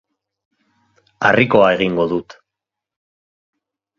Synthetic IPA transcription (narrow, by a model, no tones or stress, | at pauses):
a̰riko̞ae̞ɣiŋɡo̞ðut̪